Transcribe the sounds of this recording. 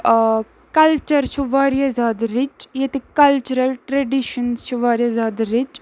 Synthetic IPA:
kɐlt͡ʃɐɾt͡ʃʰuʋaːɾjazaːd̪ɾit͡ʃjet̪ikɐlt͡ʃuɾɐlʈɾeɖiʃɐnst͡ʃʰuʋaːɾjɐzaːd̪ɾit͡ʃ

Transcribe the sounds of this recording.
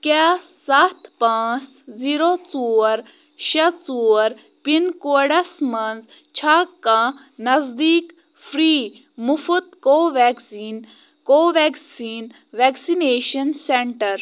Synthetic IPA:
kʲaːsɐt̪ʰpãːt͡s | ziːɾot͡suːɾ | ʃɐt͡suːɾ | pinkoɽɐsmɐnz | t͡ʃʰaːkːãː | nɐzd̪iːk | fʰɾiː | mufut̪̚koːʋɛksiːn | koːʋɛːksiːn | ʋɛːksineːʃɐnseɳʈɐɾ

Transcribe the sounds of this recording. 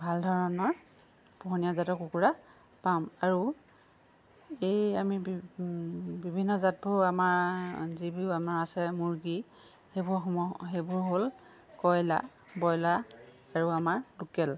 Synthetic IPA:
bʱaldʱɔɹɔnɔ | b̥ʱɔɦnijazatɔkukuɹa | pamaɹu | ejami | bibʱinːɔzat̚bʊɹamaɹzibiʊamaɹasɛmuɹɡi | hebʊɹɔɦebʊɹɦol | kɔjla̰ | bɔjlaː | ɹuamaɹlukɛl

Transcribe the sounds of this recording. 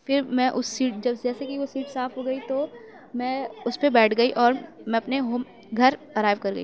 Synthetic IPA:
fʰɪɾmɛ̃ʔʊsːiːʈ̚d͡ʒɐbd͡ʒɛːsekiʋosiːʈsaːfɦoɡɐit̪o | mɛ̃ʊspebɛːʈʰɡɐiʔɔːɾmɛ̃ɐpneɦoːm | ɡʱɐɾɐɾaːɪʋkɐɾɡɐiː

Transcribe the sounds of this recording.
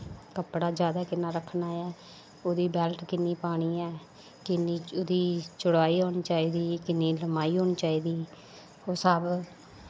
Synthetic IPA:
kəpɽaːd͡ʒjaːd̪aːkɪnːaːɾəkʰnaːɛː | oːd̪iːbɛːlʈkɪnːiːpaːɽ̃iːɛː | kɪniːd̪iːt͡ʃʊɽaːiːɦoːñt͡ʃaːiːd̪iːkɪnːiːləmaːiːɦoːñt͡ʃaːiːd̪iː | oːsəb

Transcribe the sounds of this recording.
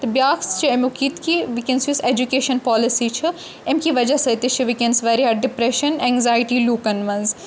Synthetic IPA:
t̪bjaːkst͡ʃʰɐemukit̪kʰiʋikensʋised͡ʒukeːʃɐnpɔːlɪsit͡ʃʰɐ | emkiʋɐd͡ʒasɐjt̪it͡ʃʰiʋikensʋɐːɾiɦɐɖɪpɾeʃɐnɛ̃ŋɡzaːjʈiːluːkɐnʋɐ̃nz

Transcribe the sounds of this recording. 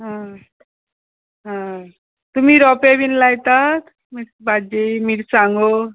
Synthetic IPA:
ɦã | ɦã | t̪umiɾɔpebinlajt̪at̪ | miɾbad͡ʒemiɽsaŋɡo

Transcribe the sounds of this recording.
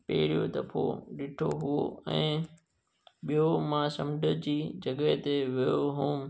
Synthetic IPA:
pḛɦɪɽijod̪ɐpʰo̰ɗɪʈʰoɦʊo̰ɛ̰̃ː | ɓijomãːsɐmɖʱəd͡ʑiːd͡ʑɐɡəɦt̪eʋijoɦũː

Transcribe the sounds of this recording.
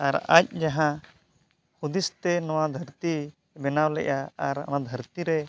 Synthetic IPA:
aɾa̰c̚d͡ʒaɦã | hud̪ist̪ɛnɔwad̪ʱəɾt̪i | bɛnawlɛ̰ʔaaɾa̰nad̪ʱəɾt̪iɾɛ

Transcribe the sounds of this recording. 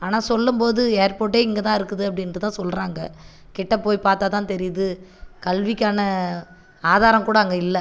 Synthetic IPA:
aːnaːsɔlːɯmpoːðɯeːɾpoːʈ̬ːeːɪŋɡɐt̪ãːɪɾɯkːɯðɯɐpːɐɽɪnɯt̪ãːsɔlɾaːŋɡɐ | kɪʈːɐpoːjpaːɾt̪aːt̪ãːnt̪ɛɾɪjðɯkɐlʋɪkːaːnɐ | aːðaːɾɐmkuːɽaɐŋɡɐɪlːɛ

